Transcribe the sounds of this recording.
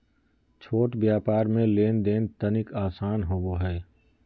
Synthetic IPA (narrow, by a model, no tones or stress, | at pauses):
t͡ʃʰoːʈbjaːpaːɾmẽleːnd̪eːnt̪ənɪkaːsaːnɦoːboɦɛː